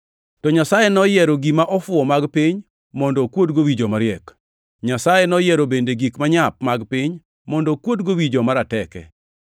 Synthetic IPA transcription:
tɔɲasajenɔjɛɾoɡimaʔɔfʊɔmaɡpɪɲ | mɔndɔkwotɡowid͡ʒomaɾɪɛk | ɲasajenɔjɛɾobendeɡikmaɲap̚maɡpɪɲ | mɔndɔkwotɡowid͡ʒomaɾatɛkɛ̰

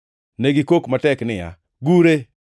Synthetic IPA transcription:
neɡikokmatɛknɪja̰ | ɡuɾe

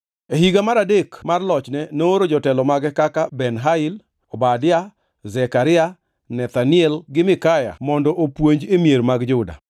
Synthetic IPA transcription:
eɦiɡamaɾadekmarlɔt͡ʃnɛnoɾod͡ʒɔtɛlɔmaɡɛkakabɛnɦaɪl | ɔbadɪa | zɛkaɾɪa | nɛt̪anɪɛlɡɪmɪkaja̰mɔndɔʔopwoɲd͡ʒemjeɾmaɡd͡ʒʊda̰

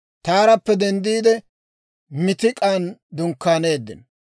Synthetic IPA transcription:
t̪aːɾɐpːɛd̪ɛnd̪iːd̪ɛ | mɪt̪ɪkʼaːnd̪ʊŋkːaːne̞ːd̪ːɪ̰n

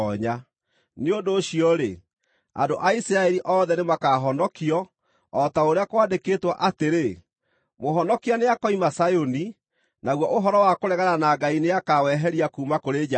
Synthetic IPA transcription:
ɔɲa | neondoːɕiɔɾe | a̰ndoʔaisɾaɛɾiʔɔðɛnemakaɦɔnɔkiɔː | taoɾeakwaːndeketwaʔateɾe | moɦɔnɔkianeakɔimasajoni | naɣwɔʔoɦɔɾɔwakoɾɛɣananaɡaineakawɛɦɛɾiakuːmakoɾed͡ʒa

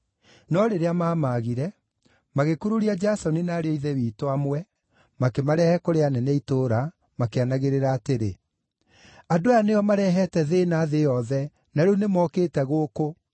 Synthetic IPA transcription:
nɔɾeɾeamaːmaɣiɾɛ | maɣekuɾuɾiad͡ʒasɔninaːɾeɔiðɛwiːtwamwɛ | makemaɾɛhɛkoɾeanɛnɛitoːɾa | makeanaɣeɾeɾaːteɾḛ | adojanejɔmaɾɛɦɛtɛðenaðejɔðɛ | naɾunemɔkeːtɛɣoːko

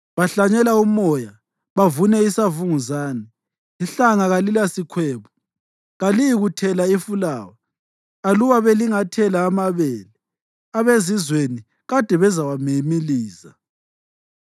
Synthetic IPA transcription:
βaɬaɲɛlaumɔja | βavunɛisavuŋuzaːni | iɬaŋaɣalilasikʰwɛːβɔ | ɣalijiɣutʰɛlaifulaːwa | aluwaβeliŋatʰɛlaːmaβɛːlɛ | aβezizweni | ɣad̥ʱɛβɛzawamemiliːza̰

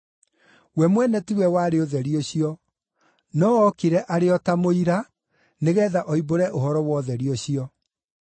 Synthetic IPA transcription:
wɛmwɛnɛtiwɛwaɾeoðɛɾioɕiɔ | nɔɔkiɾɛʔaɾeɔtamoiɾa | neɣɛðaʔɔiboɾɛʔohɔɾɔwɔðɛɾioɕiɔ

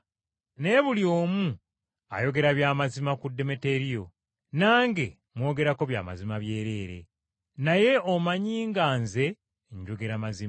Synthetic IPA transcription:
ne̞ːβuljo̞ːmu | a̰jo̞ɡe̞ɾaβjaːmazimakudːe̞me̞te̞ɾijo̞ | naːŋɡe̞ | mwo̞ːɡe̞ɾako̞βja̰ːma̰zimaβje̞ːɾe̞ːɾe̞̰ | naje̞omaɲiːŋɡaːnze̞ | ɲɟo̞ɡe̞ɾamazi

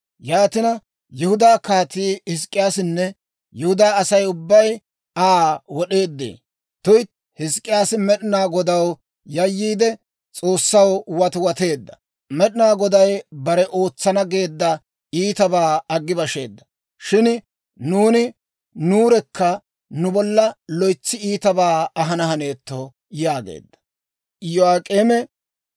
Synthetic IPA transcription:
jaːt̪ɪnɐ | jɛhʊd̪aːkaːt̪iːhɪs̬kʼɪjaːsɪnːɛ | jɛhʊd̪aːɐsɐjʊbːɐj | aːwɔɗe̞ːd̪ːḛː | t̪ʊjt̪ | hɪskʼːɪjaːsɪmɛɗɪnaːɡɔd̪ɐw | jɐjːiːd̪ɛ | t͡sʼo̞ːsːɐwwɐt̪wɐt̪e̞ːd̪ːɐ̥ | mɛɗɪnaːɡɔd̪ɐjbɐɾɛʔo̞ːt͡sːɐnɐɡe̞ːd̪ːɐ | iːt̪ɐbaːɐɡːɪbɐʃe̞̰ːd̪ːɐ̥ | ʃɪn | nuːnɪ | nuːɾɛkːɐ | nʊbɔlːɐlɔjt͡sːɪiːt̪ɐbaːɐɦɐnɐɦɐne̞ːt̪ːo | jaːɡḛːd̪ːɐ̥ | jɔaːkʼeːmɛ

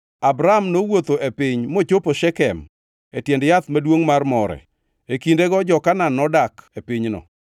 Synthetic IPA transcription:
abɾaamnowot̪oʔepɪɲmot͡ʃopoʃɛkɛm | etjɛndjat̪madwoŋmarmɔɾɛ̰ | ekindeɡɔd͡ʒɔkananɔdakepɪɲnɔ̰

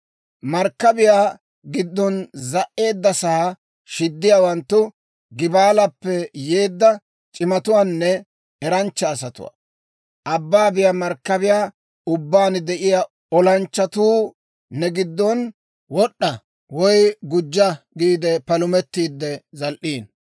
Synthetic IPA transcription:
mɐɾkːɐbɪjaː | ɡɪd̪ːɔnzɐʔːe̞ːd̪ːɐsɐhɐ | ʃɪd̪ːɪjaːwɐnt̪ːʊ | ɡɪbaːlɐpːɛje̞ːd̪ːɐ | t͡ʃʼɪmɐt̪ʊwaːnːɛ | ɛɾɐnt͡ʃːɐːsɐt̪ʊ̰wa̰ː | ʔɐbːaːbɪjamɐɾkːɐbɪjaː | ʊbːaːnd̪ɛʔɪja | ɔlɐnt͡ʃːɐt̪uː | nɛɡɪd̪ːɔn | wɔɗːɐ | wɔjɡʊd͡ʒːɐɡiːd̪ɛpɐlʊmɛt̪ːiːd̪ːɛzɐlʔiːn

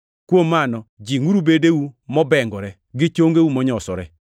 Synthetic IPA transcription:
kwomːanɔd͡ʒiŋuɾubedewumɔbɛŋɡɔɾɛ | ɡɪt͡ʃoŋɡeumɔɲɔsɔɾɛ̰

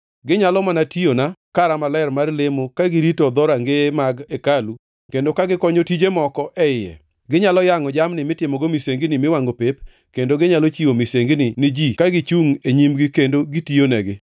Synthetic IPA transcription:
ɡɪɲalɔmanationakaɾamalaɛɾmarlemokaɡɪɾitɔd̪ɔɾaŋɡemaɡekalu | kendokaɡɪkɔɲotid͡ʒemɔkɔʔɛɪjɛ̰ | ɡɪɲalɔjaŋɔd͡ʒamnɪmɪtɪmɔɡomiseŋɡnɪmɪwaŋɡopep | kendoɡɪɲalot͡ʃiomiseŋɡnɪnɪd͡ʒikaɡɪt͡ʃuŋeɲimɡɪkendoɡɪtionɛɡɪ

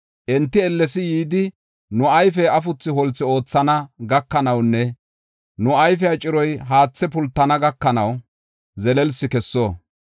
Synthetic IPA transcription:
ʔɛnt̪ːɪɛlːɛsɪjiːd̪ɪ | nʊɐjfɛɐfʊt͡sːɪhɔlt͡sːɪo̞ːt͡sːɐnɐɡɐkːɐnɐwnːɛ | nʊɐjfɛɐt͡ʃʼɪɾɔjɦaːt͡sːɛpʊlt̪ːɐnɐɡɐkːɐnɐw | zɛlɛlsɪkɛsːoː

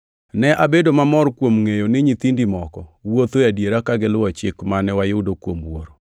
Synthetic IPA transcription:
nɛʔabedomamɔɾkwomŋejonɪɲit̪indimɔkɔwot̪ojadjeɾakaɡɪlʊwɔt͡ʃɪkmanɛwajʊdokwomwoɾo

